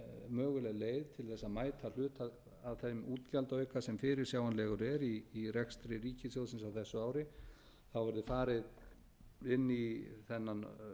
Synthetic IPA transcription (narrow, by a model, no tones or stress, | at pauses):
mœːɣʏlɛɣleːjðt̪ʰɪlθɛsːamaːjt̪ʰal̥ʏːt̪að | aðθemuːt̪calt̪œːɥkasɛmfɪːɾɪɾsjaːwanlɛɣʏɾɛɾiːrɛkst̪ɾɪɾiːcɪsjowsɪnsawθɛsːʏaːwɾɪ | θawvɛɾðʏfaːɾɪð | ɪnːiθɛnːan